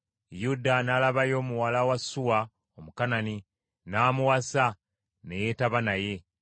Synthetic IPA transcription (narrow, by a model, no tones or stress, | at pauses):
judanalaβajo̞ːmuwalawasuwa | omukanani | naːmuwasa | ne̞jetaβanaje̞